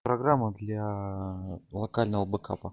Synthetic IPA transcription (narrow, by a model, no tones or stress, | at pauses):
pɾɐɡɾamːəd̪lʲa | lˠɐkalʲnəvəbɨka̰pə